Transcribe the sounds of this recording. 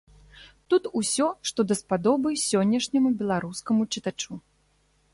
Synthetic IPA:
t̪ut̪usʲɔʂt̪ɔd̪ɐspad̪ɔbɨsʲɔnʲːɐʂnʲɐmubʲɛlˠaɾuskɐmut͡ʂɨt̪at͡ʂu

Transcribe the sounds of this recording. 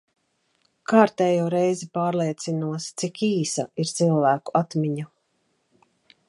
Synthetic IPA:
kaːɾt̪ɛːjuːɾɛjzipaːɾlˠiɛt̪sinuɔst̪sikiːsa̰iɾt̪silˠvæːkuat̪miɲu

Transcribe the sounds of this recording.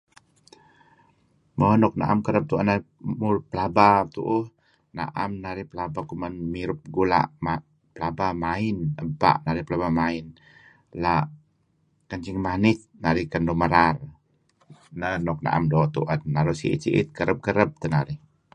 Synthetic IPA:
mɔɦɔnɔk̚na̰ʔamkəɾəb̚t̪uʔanaimurpəlabat̪uʔuh | na̰ʔamnaɾihpəlabakumanmiɾʊp̚ɡula̰ʔma | pəlabamainəpa̰ʔnaɾihpəlabamaɪn | laʔ | kəɲt͡ʃiŋmanɪt̪̚naɾihkəndɔməɾar | nənɔk̚na̰ʔa̰mdɔt̪uʔanːaɾuʔsḭʔḭsiʔit̪̚kəɾəp̚kəɾəp̚t̪ənaɾɪh

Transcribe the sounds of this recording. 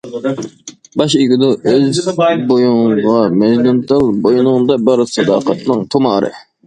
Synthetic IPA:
bɑʃiɡʲɪd̪ʊʔøzbojuŋʁɑmɛʒlunt̪ɨlˠbojunʊŋd̪ɑbəɾsɨd̪ɑ̰ːqɑt̪nɨŋt̪ʰomɑːɾɨ̰

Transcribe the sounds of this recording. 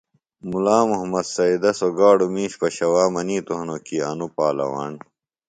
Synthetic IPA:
mulaːmuɦmɐd̪sɐid̪ɐsoɡaːɽumĩːɕpɐɕɐwaːmɐniːt̪oɦnokiːɐ̰nupaːlɐ̰wa̰ːn

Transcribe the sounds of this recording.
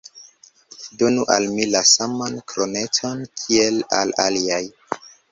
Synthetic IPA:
do̞nuʔa̰lmilasamankɾonet͡sonkʰiela̰la̰liaj

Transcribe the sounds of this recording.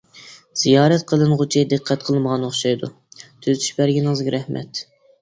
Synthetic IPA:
z̥ijɑːɾɛt̪qʰəlˠɨnʁʊt͡ʃʰid̪ɨqʰːɛt̪̚qʰəlˠməʁɑnoχʃɑjd̪u | t̪ʰyzt̪ʰy̥ʃbæɾɡʲinəŋəzɡʲɛɾɛhmɛ̰t̪

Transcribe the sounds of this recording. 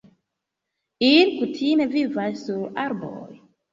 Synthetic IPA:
inkutʰime̞vivasːuɾaɾbo̰j

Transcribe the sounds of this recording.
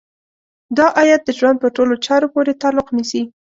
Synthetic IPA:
d̪ɑʔɑjad̪̚ːəʒwand̪̚pəɾʈolot͡ʃɑɾopoɾet̪ɑlʊqnisi

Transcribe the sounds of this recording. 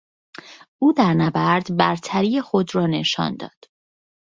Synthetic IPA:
uːd̪æɾnæbæɾd̪bæɾt̪ʰæɾije̞xod̪rɒːneʃɒ̰ːnd̪ɒ̰ːd̪̥

